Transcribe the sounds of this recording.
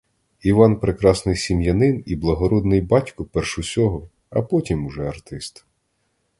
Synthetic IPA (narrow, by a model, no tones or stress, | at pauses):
iʋɑnpɾekɾɑsnɪjsʲimjɐnɪniblˠɐɦɔɾɔd̪nɪjbɑtʲkɔpɛrʃʊsʲɔɦɔ | ɐ̰pɔtʲimʊʒɛɐrt̪ɪst̪